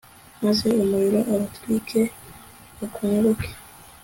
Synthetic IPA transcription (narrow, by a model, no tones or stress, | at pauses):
mazeomuɾiɾoʔaβatɾikʰe | okʰuɾokʰe̥